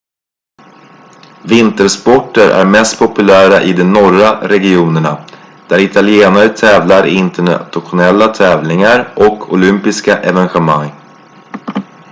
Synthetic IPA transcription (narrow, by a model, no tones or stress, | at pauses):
vɪnt̪əɾspɔʈːəɾʔæ̰ɾmɛst̪̚pʰɔpɵlæːɾaʔɪd̪ɛnɔɾaɾɛɡɪuːnəɳa | d̪̥æɾɪt̪ʰalɪeːnaɾt̪ʰɛːvlaɾɪnt̪əɳa̰t̪ɧʊnɛlːat̪ʰɛːvlɪŋaɾʔɔkʰʊ̰lʏmpɪskaʔɛvɛnɧɛmaŋː